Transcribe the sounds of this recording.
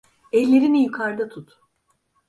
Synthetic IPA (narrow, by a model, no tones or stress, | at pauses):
ɛlʲːe̞ɾinijukʰaɾd̪at̪ʰut̪